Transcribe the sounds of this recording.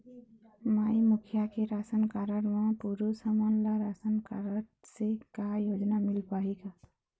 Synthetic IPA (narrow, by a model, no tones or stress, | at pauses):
maːimʊkʰjakeɾaːsənkaːɾəɾʋãpuɾusəmonlaɾaːsənkaɾəɾsekajoːd͡ʒnamɪlpaːiɡaː